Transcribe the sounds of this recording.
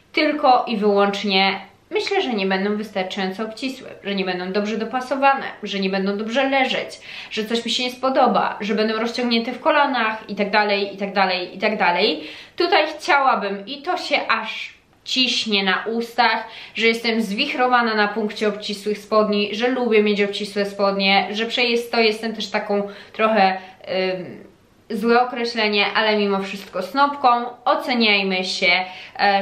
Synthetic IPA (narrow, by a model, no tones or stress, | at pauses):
t̪ɘlkɔʔivɘwɔnt͡ʂɲɛ | mɘɕlɛʐɛɲɛbɛnd̪ɔ̃w̃vɘst̪aɾt͡ʂajɔnt̪ɛɔpt͡ɕiswɛ̰ʐɛɲɛbɛnd̪ɔ̃w̃d̪ɔbʐɛd̪ɔpasɔvanɛ̰ʐɛɲɛbɛnd̪ɔ̃w̃d̪ɔbʐɛlɛʐɛt͡ɕ | ʐ̥ɛt̪sɔɕmʲiɕɛɲɛspɔd̪ɔba̰ʐɛbɛnd̪ɔ̃w̃ɾɔst͡ɕɔ̃ŋɡɲɛnt̪ɛfkɔlɔnaxit̪aɡ̚d̪alɛjit̪aɡd̪alɛjit̪aɡd̪alɛjt̪ut̪ajxt͡ɕawabɘmit̪ɔɕɛʔaʂ | t͡ɕiɕɲɛnaʔust̪axʐɛjɛst̪ɛmzvʲixɾɔvananapuŋkt͡ɕɛɔpt͡ɕiswɘxspɔd̪ɲiʐɛlubʲjɛmʲjet͡ɕɔpt͡ɕiswɛspɔd̪ɲɛʐɛpʂɛjɛst̪ːɔjɛst̪ɛmt̪ɛʂt̪akɔ̃w̃t̪ɾɔxɛ | zwɛɔkɾɛɕlɛɲɛʔalɛmʲimɔfʂɘst̪kɔsnɔpkɔ̃w̃ɔt̪sɛɲajmɘɕɛ